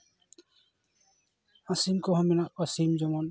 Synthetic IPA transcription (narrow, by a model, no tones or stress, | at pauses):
ãsimkɔɦɔ̃mɛnaʔɔsimd͡ʒɔmɔn